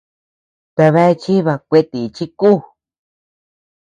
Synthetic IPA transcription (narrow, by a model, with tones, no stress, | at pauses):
t̪a˧βe˧˦e˧t͡ʃi˦βa˧kʷe˦˧t̪i˨˧t͡ʃi˦kuː˦˨